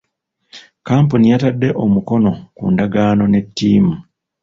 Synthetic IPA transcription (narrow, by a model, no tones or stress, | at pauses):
kaːmpunijatadːe̞ʔo̞muko̞no̞kṵːndaɡaːno̞ne̞tːiːmu